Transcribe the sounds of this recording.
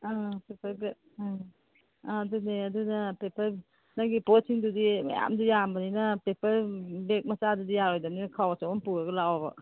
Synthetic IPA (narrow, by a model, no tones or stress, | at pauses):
apepʰɐɾɡ | duneɐdunɐpepʰɐɾ | naɡiposiŋdudimɐ̰ja̰mdujambɐninɐpepɐɾbek̚mɐsadudijaɾojdɐmninkʰawɐsɔwɐmpuɾɐɡɐlawabɐ̰